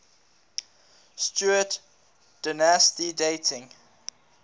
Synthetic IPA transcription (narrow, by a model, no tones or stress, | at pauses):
stjuət | d̥ənastideɪtʰɪ̃ŋ